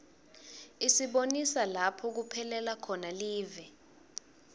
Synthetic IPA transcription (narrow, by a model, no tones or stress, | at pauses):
isiɓonisalapʰɔk̬upʰɛlɛlakʰɔnaliːvɛ